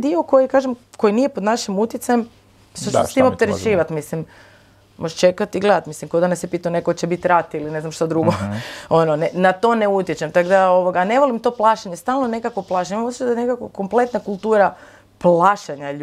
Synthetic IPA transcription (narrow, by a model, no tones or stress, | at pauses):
d̪ioko̞jikaːʒemko̞jinije̞po̞d̪naʃimut̪jet̪sajem | ʃt̪osest̪imopt̪eɾet͡ʃiːʋat̪mislim | mʔoʒt͡ʃe̞kat̪iɡle̞d̪at̪mislimkod̪anesepit̪anekot͡ɕebit̪ɾat̪iline̞znamʃt̪ad̪ɾuɡoo̞nonenat̪o̞neut̪jet͡ɕemt̪akd̪aoʋoɡane̞ʋolimt̪o̞plˠaʃaɲest̪aːlˠnone̞kakʋoplˠaʃaɲimosji̥t͡ʃad̪anekakoko̞mple̞t̪nakulˠt̪uːɾa | plaʃaɲaʎ